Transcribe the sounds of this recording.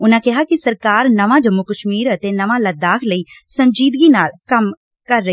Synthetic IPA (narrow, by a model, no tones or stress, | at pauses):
ʊnãːkɪɦaːkɪsəɾkaːɾnəʋãːd͡ʒəmːokəʃmiːɾət̪eːnəʋãːləd̪aːkʰləiːsəɲd͡ʒiːd̪ɡiːnaːlkəm | kəɾːə